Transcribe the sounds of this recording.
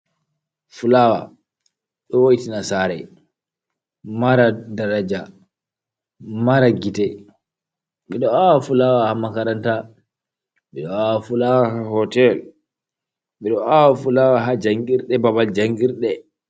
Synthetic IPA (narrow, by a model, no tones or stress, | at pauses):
fulawa̰ | ɗɔwoitinasaɾɛ | maɾadaɾad͡ʒa | maɾaɡitɛ | ɓɛɗɔawafulawahamakaɾanta | ɓɛɗɔawfulawahahɔtɛl | ɓɛɗɔawafulawaɦad͡ʒaŋɡiɾɗɛbabald͡ʒaŋɡiɾɗɛ